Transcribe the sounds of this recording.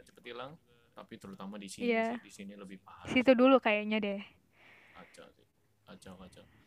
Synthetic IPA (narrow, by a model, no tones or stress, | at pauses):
t͡ʃəpət̪ilaŋ | t̪apit̪əɾut̪amadisiijadisiniləbɪhpahaisit̪udulukajaʔɲadɛ | at͡ʃa̰ti | at͡ʃawat͡ʃa